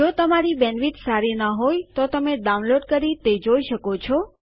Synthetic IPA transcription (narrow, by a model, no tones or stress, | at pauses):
d͡ʒot̪əmaɾibɛnʋit̪saɾinəɦojt̪ot̪əmeɖaunloɖkəɾit̪ed͡ʒoiʃəkot͡ʃʰɔ